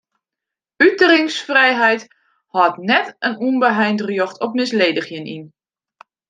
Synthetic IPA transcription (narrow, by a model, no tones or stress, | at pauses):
ytəɾɪŋsfrɛjɦɛjt | hɔtnɛtənunbəɦɛjntrjɔxtʰɔpmɪsleːdəxjənḭn